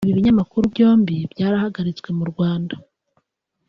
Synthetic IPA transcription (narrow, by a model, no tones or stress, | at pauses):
βiβiɲamakuɾubɟo̞ːmbibɟaːɾahaɡaɾit͡swe̞muɾɡwaːnda